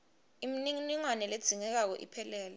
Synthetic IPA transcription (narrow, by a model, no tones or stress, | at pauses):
imininiŋwanɛled̥z̥ʱiŋɛk̬ak̬ɔ̰ʔḭpʰɛlɛːlɛ